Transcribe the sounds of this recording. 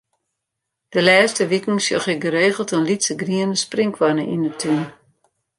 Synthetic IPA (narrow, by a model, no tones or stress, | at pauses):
d̥əlɛːstəʋikn̩sjoxɪɡəɾeːɣəlˠtənlitsəɡriənəsprɪŋkwɔnəʔinətʰyn